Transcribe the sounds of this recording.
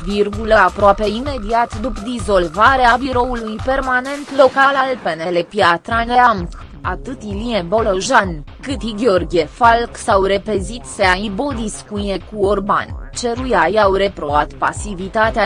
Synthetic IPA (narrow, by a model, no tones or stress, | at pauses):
virɡuləapɾoape̞ime̞d̪iat̪d̪upd̪izo̞lvaɾeabiɾo̞ulujpe̞rmane̞nt̪lo̞kalalpenele̞piat̪ɾane̞amk | at̪ɨt̪iliebo̞loʒan | kɨt̪iɡʲeorɡʲiefalksawɾe̞pezit̪seaibo̞d̪iskujekuorba̰nt͡ʃeɾujajawɾe̞pɾo̞vat̪pa̰sivit̪at̪ea